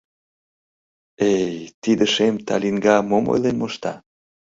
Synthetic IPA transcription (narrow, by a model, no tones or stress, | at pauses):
ejt̪id̪əʃemt̪ɑlʲiŋɡɑmomo̰jlenmoʃt̪ɑ